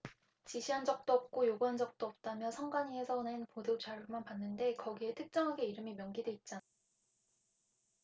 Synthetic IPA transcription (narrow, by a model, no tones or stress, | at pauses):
t͡ɕiɕʰiɦand͡ʑʌk̚t͈oʌp̚k͈ojoɡuɦand͡ʑʌk̚t͈oʌp̚t͈amjʌsʰʌŋɡwaɲiesʰʌnenpodot͡ɕaɾɯmanpanːɯnde̞kʌɡie̞tʰɯk̚t͡ɕ͈ʌŋɦaɡe̞iɾɯmimjʌnɡidwe̞it̚t͡ɕ͈a